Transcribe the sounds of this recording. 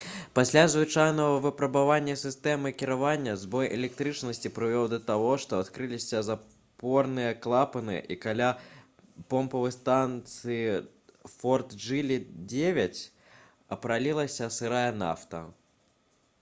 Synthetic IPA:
pasʲlʲazvɨt͡ʂajnɐɣɐvɨpɾɐbavanʲːɐsʲɨst̪ɛmɨkʲiɾavanʲːɐzbɔjʔɛ̰lʲɛk̚t̪ɾɨt͡ʂnɐsʲt͡sʲipɾɨvʲɔwd̪ɐt̪aɣɔʂt̪ɔat̪kɾɨlʲisʲɐza | pɔrnɨjɐklˠapɐnɨjɛ̰ʔikalʲa | pɔmpɐvɨjst̪ant̪sɨji | fɔrt̪d͡ʐɨlʲid͡zʲevʲɐt͡sʲ | ɐpɾalʲilˠɐsʲɐsɨɾajɐna̰ft̪ɐ̰

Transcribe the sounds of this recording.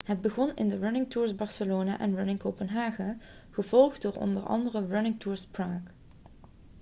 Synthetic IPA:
ɦəd̚bəɣɔnɪ̰ndəɹanɪŋtuːɹzbɑɹsəloːnaːʔɛnɹʊnɪŋkopənɦaːχəχəvɔlˠχddʊːɹɔ̰ndəɹɑ̰ndərəɹʊnɪŋtuːɹspraːk

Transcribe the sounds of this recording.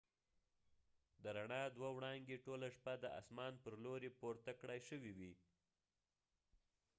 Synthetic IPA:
d̪əɾaɳɑd̪wawɽɑŋɡeʈolaʂpad̪əʔa̰smɑnpəɾloɾepoɾt̪akɽajʃəwiwi

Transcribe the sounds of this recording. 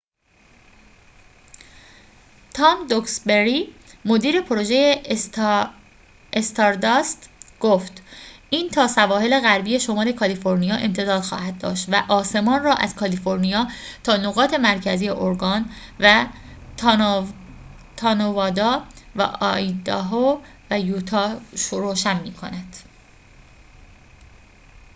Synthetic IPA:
t̪ʰɒːmd̪oksbeɾimod̪iːɾe̞pʰoɾo̞ʒe̞je | est̪ʰɒɾd̪ɒst̪ɡ̥oːft̪ʔiːnt̪ʰɒːsævɒːhe̞le̞ɣæɾbije̞ʃo̞mɒːle̞kʰɒlifo̞ɾnijɒːʔe̞mt̪ʰe̞d̪ɒːd̪̥xɒ̰ːhæd̪̚d̪ɒ̰ːʃt̪væʔɒːse̞mɒːnrɒːʔæ̰z̥kʰɒlifo̞ɾnijɒːt̪ʰɒːnoɣɒːt̪ʰe̞mæɾcʰæziːjeʔoɾɡɒːn | væ | t̪ʰɒːnovɒːd̪ɒːvæ̰ʔɒid̪ɒɦo | væjuːt̪ʰɒːʃoɾoːʃænmiːkʰo̞̰næd̪̥

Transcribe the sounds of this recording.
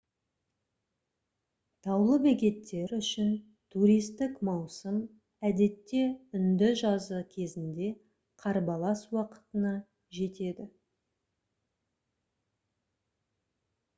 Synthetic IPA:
t̪ʰɑwlˠəbekʲe̞t̪ʰːe̞ɾʏʃɪn | t̪ʰuɾijst̪ɪkmɑwsəm | æd̪e̞t̪ːe̞ʏnd̪ɪʒɑzəkʲʰe̞zɪnd̪e̞ | qʰɑɾbɑlˠɑswɑqə̥t̪ənɑ | ʒe̞t̪e̞d̪ɪ

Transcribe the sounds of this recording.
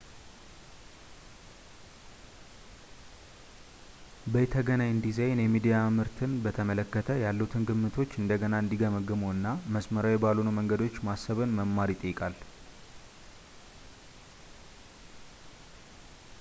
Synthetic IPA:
bəjɛt̪ʰəɡənaɲɨnd̪izəjnjɛmid̪ijamɨɾt̪ʰɨnbət̪ʰəmələkːət̪ʰəjalːəut̪ʰɨnɡɨmːɨt̪ʰo̞t͡ʃːɨnd̪əɡənaɨnd̪iɡəməɡɨmoɨnːaməsməɾawjɛbalonuməŋɡəd̪o̞t͡ʃːmasːəβɨnməmːaɾit̪ʼəjːkʼal

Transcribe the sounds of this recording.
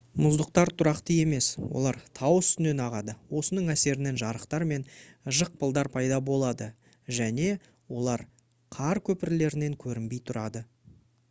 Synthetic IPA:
mʊzd̪əqt̪ɑɾt̪ʰʊɾɑqt̪əe̞me̞swo̰lˠɑɾt̪ʰɑwəst̪ʏne̞nɑʁɑd̪əwo̞sənəɴæse̞ɾɪne̞nʒɑɾəqt̪ɑɾme̞nʒəq̚pʰəlˠd̪ɑɾpʰɑjd̪ɑbo̞lˠɑd̪ə | ʒæne̞ | wo̞lˠɑɾ | qʰɑɾkʲʰɵpɪɾle̞ɾɪne̞ŋkʲʰɵɾɪmbe̞jt̪ʰʊɾɑd̪ə

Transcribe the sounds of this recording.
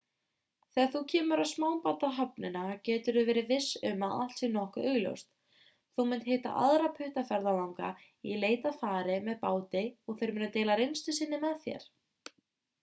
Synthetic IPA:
θɛaθucʰɛːmʏɾaðsmaːwpat̪aɦap̚nɪnacɛːt̪ʏɾðʏvɛːɾɪvɪsʏmaða̰θt̪sinɔhkʏʔœɣljo̰wst̪ | θuwmɪnt̪heht̪a̰ʔa̰ðɾapʰʏht̪afɛɾðalawŋka̰ | ileːjt̪afaːɾɪmɛðpaːwt̪ɪɔɣθejɾmɪnːat̪eːjlaɾejnst̪ʏsɪnːɪmɛðθjɛ̰ɾ̥

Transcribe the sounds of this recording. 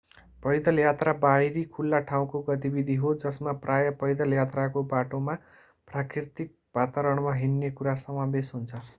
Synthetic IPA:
pʌjd̪ʌljat̪rabajɾikʰulːaʈʰaw̃koɡʌt̪ibid̪ʱiɦod͡zʌsmaprajʌpʌjd̪ʌljat̪rakobaʈoma | prakirt̪ik̚b̥ʱat̪aɾʌɽ̃maɦinːekuɾasʌmabesɦunt͡sʰʌ

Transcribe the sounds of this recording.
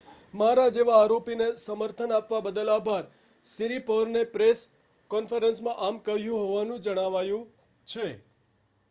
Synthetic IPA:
maɾad͡ʒeʋaːɾopinesəməɾt̪ʰənapʋabəd̪əlabʱaɾ | siɾipəɾnepɾes | kɔnfəɾənsmãʔamkəɦjũɦoʋanũd͡ʒəɽ̃aʋajũ | t͡ʃʰe

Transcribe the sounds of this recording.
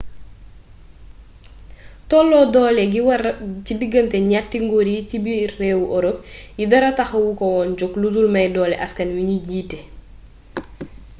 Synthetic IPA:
tɔlːɔdɔːlɛɡiwɐcidiɡəntɛɲatːiŋɡoɾicibiːɛːwuʔɔɾop̚jidɐɾɐtɐxɐwukɔwɔːnd͡ʒɔkluzulmɐjdɔːlɛʔɐskɐnwiɲuɟiːtɛ

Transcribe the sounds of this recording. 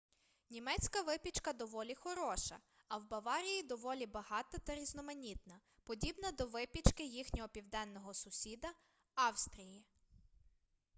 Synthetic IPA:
nʲimɛt͡sʲkɐʋɪpʲit͡ʃkɐd̪ɔʋɔlʲixɔɾɔʃɐ̰ | ɐwbɐʋɑɾʲijid̪ɔʋɔlʲibɐɦɑt̪ɐt̪ɐɾʲiznɔmɐnʲit̪nɐ | pɔdʲibnɐd̪ɔʋɪpʲit͡ʃkɪjixnʲɔɦɔpʲiwd̪ɛnːɔɦɔsʊsʲid̪ɐ | ɑwst̪ɾʲiji

